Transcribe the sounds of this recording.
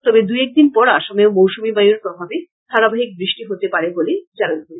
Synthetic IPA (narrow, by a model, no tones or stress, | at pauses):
t̪ɔbed̪ujek̚d̪inpɔɾaʃɔmeomowʃumibajuɾt̪ɔb̪ʰʱabe | t̪ʰaɾabaɦik̚bɾiʃʈiɦot̪epaɾeboled͡ʑanant̪in